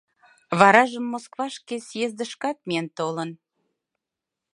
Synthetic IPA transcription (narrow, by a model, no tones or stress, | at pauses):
βɑɾɑʒəmːoskβɑʃkesjezd̪ə̆ʃkɑt̪̚miənt̪olən